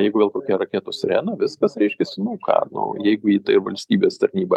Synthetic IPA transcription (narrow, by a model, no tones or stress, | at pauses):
jɛɪɡʊʋeːlˠkoːkʲɛɾɐkʲeːt̪oːsɾʲæːnɐʋʲɪskɐsɾʲɛɪʃʲkʲɛsʲɪnʊkʰɑ̰ːnʊ̰jɛɪɡʊiːt̪ɐɪʋɐ̰lʲsʲt̪ʲiːbʲeːst̪ɐɾʲnʲiːbɐ